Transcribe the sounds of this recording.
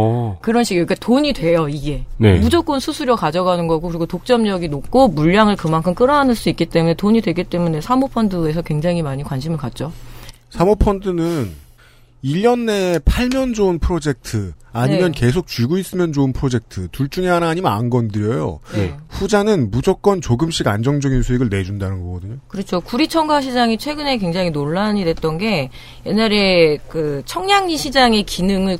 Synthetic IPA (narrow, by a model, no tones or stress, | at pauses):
kɯɾʌnɕʰiɡik͈atoɲidwe̞joiɡe̞nḛmud͡ʑʌk͈onsʰusʰuɾjʌkad͡ʑʌɡanɯnɡʌɡokɯɾiɡotok̚t͡ɕ͈ʌmɲʌɡinok̚k͈omuʎːaŋɯɭkɯmankʰɯmk͈ɯɾʌɦanɯɭs͈uik͈it͈e̞mune̞toɲidwe̞ɡit͈e̞mune̞sʰamopʰʌndɯe̞sʰʌkweŋd͡ʑaŋɦimaɲikwanɕʰimɯɭkat̚t͡ɕ͈o | sʰamopʰʌndɯnɯn | iʎːjʌnːe̞pʰaɭmjʌnd͡ʑoɯnpʰɯɾod͡ʑe̞k̚tʰɯaɲimjʌnke̞sʰok̚t͡ɕiɡuis͈ɯmjʌnd͡ʑoɯnpʰɯɾod͡ʑe̞k̚tʰɯtuɭt͡ɕ͈uŋeɦanaːɲimjʌnanɡʌndɯɾjʌjo̰ɸud͡ʑanɯnmud͡ʑok͈̚ʌnt͡ɕoɡɯmɕ͈iɡand͡ʑʌŋd͡ʑʌɡinsʰueɡɯɭne̞d͡ʑundanɯnɡʌkʌdɯɲokɯɾʌt͡ɕʰokuɾit͡ɕʰʌŋɡaɕ̬ʰid͡ʑaŋit͡ɕʰwe̞ɡɯne̞kwe̞ŋd͡ʑaŋinoɭːaɲidwe̞t̚t͈ʌnɡe̞ | je̞nːaɾe̞kɯt͡ɕʰʌŋɲaŋɲiɕʰid͡ʑaŋekinɯŋɯɭ